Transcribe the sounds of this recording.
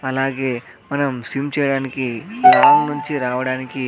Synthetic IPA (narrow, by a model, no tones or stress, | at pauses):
ɐlaːɡe̞ː | mɐnɐmsimt͡ʃɛjɐɽaːnikiɡaːmnuɲt͡ʃiɾaːʋɐɽaːniki